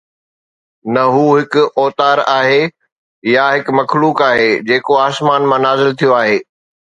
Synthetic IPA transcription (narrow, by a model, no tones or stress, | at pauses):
nɐɦuːɦɪkʊʔɔːt̪aːɾaːɦe | jaɦɪkmɐxʰluːkaːɦed͡ʑeːkoaːsmaːnmãnaːzɪlt̪ʰijoaːɦeː